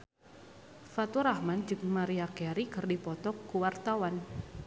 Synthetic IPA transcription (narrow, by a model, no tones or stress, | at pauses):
fat̪uɾahmand͡ʒɨŋmaɾiakɛɾikɨrdipɔt̪ɔkːuwart̪awan